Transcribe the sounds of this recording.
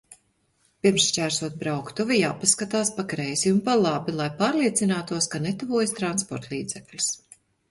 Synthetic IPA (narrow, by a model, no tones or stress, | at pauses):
piɾmsʃt͡ʃæːɾsuɔt̪̚bɾawkt̪uvijaːpaskat̪aːspakɾɛjziunpalˠabilˠajpaːɾliɛt̪sinaːt̪uɔskanet̪uvuːjst̪ɾanspɔɾt̪lˠiːd̪zɛklʲu̥s